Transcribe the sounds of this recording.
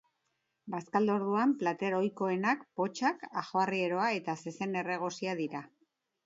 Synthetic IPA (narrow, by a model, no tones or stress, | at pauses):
baskald̪o̞ɾðuamplat̪e̞ɾo̞jko̞e̞nakpo̞t͡ʃakaxoarie̞ɾo̞ae̞t̪ase̞se̞ne̞re̞ɣ̞o̞siaðiɾa